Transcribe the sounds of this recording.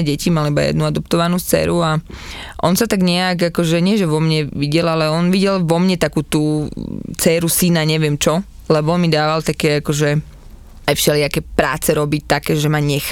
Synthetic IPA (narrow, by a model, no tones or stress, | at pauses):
ɛɟɛcimalibajɛ̰d̪nuad̪ɔp̚t̪ɔʋanuːst͡sɛ̰ːɾuaʔɔ̰nsat̪aɡɲɛjaɡakɔʒɛɲɪɛʒɛʋɔmɲɛʋiɟɛlalɛɔnʋiɟɛlʋɔmɲɛt̪akuːt̪uːt͡sɛːɾusinaɲɛʋɪɛmt͡ʃɔ | lɛbɔɔnmid̪aːʋalt̪akɛːakɔʒɛ | ajfʃɛlɪakɛpɾa̰ːt͡sɛɾɔbic̚t̪akɛːʒɛmaɲɛx